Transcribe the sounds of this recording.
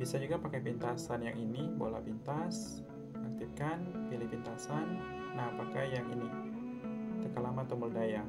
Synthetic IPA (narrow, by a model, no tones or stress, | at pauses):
bisad͡ʒuɡapakap̬int̪asanjaŋinibo̰la̰pint̪as | ak̚t̪ip̚kanpilɪhpint̪asanː | aɦapakahjaŋini | t̪əkalamat̪əmbərdaja